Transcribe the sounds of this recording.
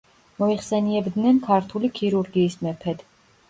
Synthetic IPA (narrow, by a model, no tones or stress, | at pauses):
mɔiχsɛniɛbd̪nɛnkʰaɾt̪ʰulikʰiɾuɾɡiːsmɛpʰɛd̪̥